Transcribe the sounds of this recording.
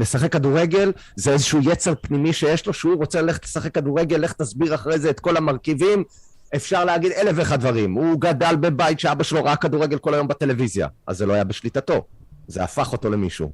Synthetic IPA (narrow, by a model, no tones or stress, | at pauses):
lesaχe̞kːaduʁeɡe̞l | zeezeʃuje̞t͡se̞ʁpnimiʃe̞jeʃlo̞ʃeuʁo̞t͡selale̞χet̪lesaχe̞kːaduʁe̞ɡelːeχt̪asbiʁaχaʁejzeːt̪ko̞lamaʁkivim | e̞fʃaʁleaɡid̪e̞le̞veːχadvaʁimuɡad̪albe̞bajit̪ʃeabaʃelo̞ʁakːaduʁeɡelko̞lajo̞mbet̪e̞le̞vizja̰ʔa̰zːelo̞ajabeʃlit̪ato̞zea̰faχo̞t̪o̞le̞miʃṵ